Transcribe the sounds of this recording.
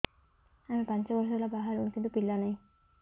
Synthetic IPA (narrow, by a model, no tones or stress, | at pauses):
amipant͡ɕaɡɔɾɔlabaɦaɾunkint̪upilːanaj